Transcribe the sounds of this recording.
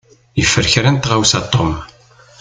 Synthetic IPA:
jəfːəɾçɾænt̪ʁawsɑt̪ˤːom

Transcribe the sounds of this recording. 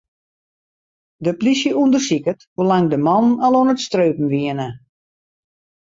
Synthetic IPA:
dəplisjəundərsikətʋolaŋdəmɔnnalˠonətstrøːpm̩ʋiənə

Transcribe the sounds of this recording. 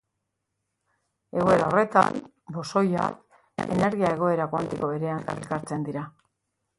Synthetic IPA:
e̞ɣ̞o̞e̞ɾao̞re̞t̪a̰n | bo̞so̞ja̰k | e̞̰ne̞ɾɣiae̞ɣo̞e̞ɾakwant̪iko̞βe̞ɾe̞ana̰rikaɾt͡se̞nd̪iɾa

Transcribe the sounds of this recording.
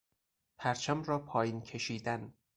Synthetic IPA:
pʰæɾt͡ʃʰæmɾɒːpʰɒːjiːncʰe̞ʃiːd̪æn

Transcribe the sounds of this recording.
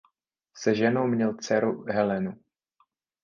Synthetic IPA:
sɛʒɛnowmɲɛlt͡sɛɾuɦɛlɛnu

